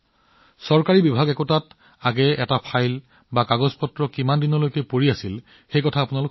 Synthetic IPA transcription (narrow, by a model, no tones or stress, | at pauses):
sɔɹkaɹibibʱaɡɛkɔtat | aɡɛɛtapʰajl | bakaɡɔzpɔtɹɔkimandinɔlojkɛpoɹiasil | xejkɔtʰaːpunalʊk